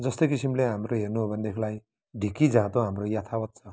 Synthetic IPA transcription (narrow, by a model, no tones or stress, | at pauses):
d͡zʌst̪ojkisimleɦamɾoɦernuɦobʱʌnd̪ekʰlaj | ɖʱikid͡zãt̪oɦamrojat̪ʰawʌt̪̚t͡sʰʌ